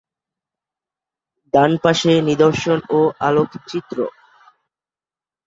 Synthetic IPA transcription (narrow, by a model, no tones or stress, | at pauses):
d̪anpaʃenid̪oɾʃonoalokʰt͡ɕit̪ːɾo̰